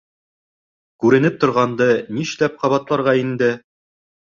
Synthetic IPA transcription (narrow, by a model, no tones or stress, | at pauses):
kʉɾɘ̆nɘp̚t̪ŏɾʁɑnd̪ɤniʃlæp̚qɑβɑt̪lˠɑɾʁɑind̪ɘ